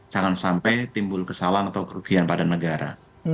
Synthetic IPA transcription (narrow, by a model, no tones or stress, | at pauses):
d͡ʒaŋansampajt̪imbʊlkəsalanat̪awkəɾuɡ̥ianpadanəɡaɾa̰